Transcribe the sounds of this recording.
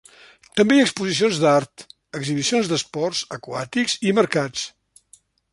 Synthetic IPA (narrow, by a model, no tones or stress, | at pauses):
t̪əmbejaəkspuzis̬ionzd̪aɾt̪ | əɡziβisionzd̪əspɔɾzəkwa̰t̪ikziməɾkat͡s